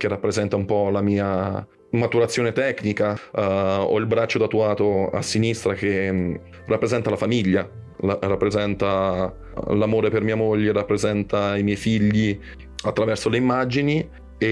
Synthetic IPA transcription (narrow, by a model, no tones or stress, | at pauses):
k̟erːapːɾezɛnt̪aumpɔlamiːa | mat̪uɾat̪sːjoːnet̪ɛkːnika | ɔ̰ilbɾat͡ʃːot̪at̪uaːt̪oa̰sːinist̪ɾak̟e | rapːɾezɛnt̪alafamiʎːa | larapːɾezɛnt̪a | lamoːɾepermiːamoʎːerapːɾezɛnt̪aimjɛjfiʎːi | at̪ːɾavɛrsoleimːad͡ʒini | e